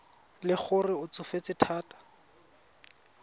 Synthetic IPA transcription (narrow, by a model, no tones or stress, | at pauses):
lɪχʰʊrɪʊt͡sʊfet͡sɪtʰaːtḁ